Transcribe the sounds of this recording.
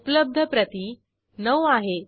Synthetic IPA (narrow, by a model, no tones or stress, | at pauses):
upləb̚d̪ʱəpɾət̪i | nəʋaɦe